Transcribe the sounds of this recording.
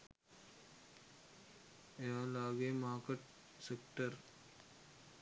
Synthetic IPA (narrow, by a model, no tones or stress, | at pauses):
ejaːlaːɡeːmaːkəʈ̚ | sekʈəɾ